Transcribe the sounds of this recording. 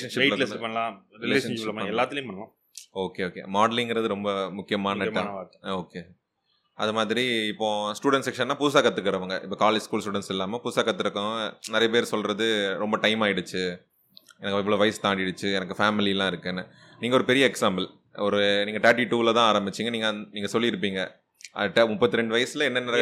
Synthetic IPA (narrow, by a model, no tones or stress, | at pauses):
ɐnʂɪpeɪlɪspɐɳːɐlãːɾɪleeːɐnlɐmɛlːaːt̪ːɪlj̃pɐɳːɐlãː | oːkeːoːkḛmaːɖɐlɪŋɡɪɾɐðɯɾɔmbɐmʊkːɪjɐmaːnɐːɐoːkːeː | ʔɐðɯmaːðɪɾiɪpːõːsʈuːɽɛnʈsɛkʂɐnːaːpʊs̬aːkɐt̪ːɯkːɐɾɐʋɐŋɡɐʔɪpːɐːkaːleːd͡ʒskuːlsʈuːɽɛnʈsɛlːaːmɐpʊsaːkɐt̪ːɪɾɯkːɐ̃nɪɾɐjɐp̬eːɾsɔlɾɐðɯɾɔmbɐʈɐɪmaːjɪɽɯt͡ʃːɯ | ɛnɐkːɪʋɯɭoːʋɐɪst̪aːɖɪɽɯt͡ʃːɯɛnɐkːɯfaːmɪlilːãːɪɾɯkːɯɛnːɐ | niːŋɐɔɾɯpɛɾɪjɐɛksaːmbɐl | ɔɾɯniːŋɡɐʈaːʈiʈːuːlɐt̪ãːaːɾɐmbɪt͡ʃːiːŋɡɐniːŋɡɐniːŋɡɐsɔlːɪɪɾɯp̬ːiːŋɡɐ | ʔɐ̰ʈɐmʊpːɐt̪ːɯɾɛɳɖɯʋɐjɐsɪlɐɛnːɐnɛɾɐ